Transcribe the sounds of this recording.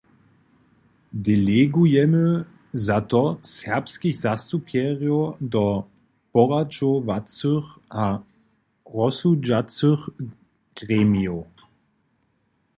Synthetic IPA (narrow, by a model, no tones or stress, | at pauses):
dɛlɛɡujɛmə | zatɔsɛʁpskixz̥ast̪upjɛʁjodɔ | pɔʁat͡ʃovat͡søxʔa | ʁɔsud͡ʒat͡søχ | ɡ̥ʁɛːmio